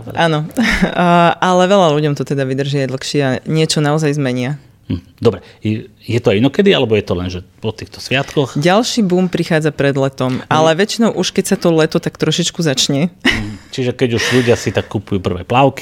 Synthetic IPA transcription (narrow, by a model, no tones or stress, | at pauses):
ʔaːnɔ | ʔalɛʋɛʎaluɟɔmt̪ɔt̪ɛd̪aʋid̪r̩ʒɪajd̪l̩xʃɪɛaɲɪɛt͡ʃɔnaɔzajzmɛɲɪa | d̪ɔbɾɛjɛt̪ɔainɔkɛd̪ialɛbɔjɛt̪ɔlɛnʒɛpɔt̪iːxt̪ɔ̥sʋɪat̪kɔxɟalʃibuːmpɾixaːd͡zapɾɛd̪lɛt̪ɔmʔalɛʋɛt͡ʃinɔʊʔuʃkɛcsat̪ɔlɛt̪ɔt̪akt̪ɾɔʃit͡ʃkuzat͡ʃɲɛt͡ʃiʒɛkɛɟuʒʎuɟɪasit̪akːupujuːpr̩ʋɛ̰ːplaʊki̥